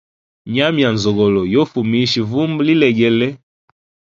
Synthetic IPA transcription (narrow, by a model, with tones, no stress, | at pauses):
ɲa˦mi˨ja˨n˨zɔ˨ɣɔ˨lɔ˨jɔ˦fu˨mi˦ʃi˨vu˦mbu˦li˦lɛ˨ɡɛ˨lɛ˦